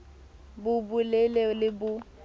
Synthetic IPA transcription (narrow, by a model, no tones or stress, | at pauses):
bʊbʊlelelɪbʊ